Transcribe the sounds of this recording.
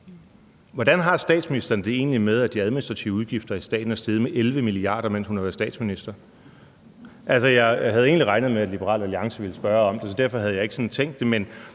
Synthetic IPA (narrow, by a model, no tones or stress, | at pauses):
ʋɒd̥ænɦɑ̈sd̥ɛ̰ːd̥sminisd̥ɐnəd̥e̝e̝̰ːnlimeð̞ˠæd̥iæðˠminisd̥ʁɑ̈t͡sʰiʊuð̞ˠɡ̥ifd̥ɐisd̥ɛ̰ːd̥n̩æsd̥eð̞̩ˠmeʔelʋəmiliɑ̰̈ːɾ̥ɐmen̰shunhæʋæɐsdɛ̰ːd̥sminisd̥ɐ | ʔælsɒjɑ̈ɪɦæð̞ˠe̝̰ːnliʁɑ̈ɪnð̩ˠmeæd̥lib̥əʁɑ̰̈ːlæliɑ̈ŋsəʋe̝ləsb̥ɶɐɒ̽md̥esɒ̽d̥æɐfɒ̽ɦæðˠjɑ̈ɪe̝ɡ̥əsɒ̽nt͡sʰeŋ̰ɡd̥ːe̝men